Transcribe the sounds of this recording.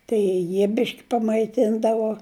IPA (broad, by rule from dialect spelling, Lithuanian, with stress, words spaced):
tɐɪ ˈjiɛ ˈbʲɪʃʲkʲɪ pɐmɐɪˈtʲɪndɐʋoː